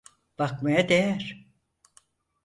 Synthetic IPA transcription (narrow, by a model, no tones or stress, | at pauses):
b̥akmajad̪ejæɾ̥